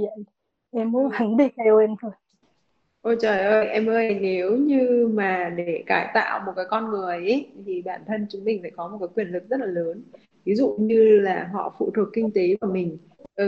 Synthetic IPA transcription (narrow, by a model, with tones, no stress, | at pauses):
ʔɛ˧mːu˨˦va˨˦ŋɗi˧˩ka˧jɛ˧nt̪ʰo˧˩j | ʔo˧˩jt͡ɕəː˨˩jʔəː˧jʔɛ˧mʔəː˧jne˨˦wɲɨ˧maː˨˩ɗe˧˩˧kaː˧˩jt̪a̰ː˧˨wmo˨˩t̚kaː˨˦jkɔ˧nŋɨ˨˩əjʔe˨˦t̪ʰi˨˩ɓaː˧˩nt̪ʰə˧nt͡ɕʊ˨˦ŋ͡mmï˨˩ŋ̟fa̰ː˧˥˨kɔ˨˦mo˨˩tkaː˨˦jkwi˧˩ənlɨ˨˩k̚z̥ə˦˥t̚laː˨˩ləː˨˦n | vi˨˦zṵ˧˨ɲɨ˧laː˨˩ɦɔ̰˧˨fṵ˧˨t̪ʰwəkːï˧ŋ̟t̪e˨˦vaː˧˩mï˨˩ŋ̟ | ʔə˨˩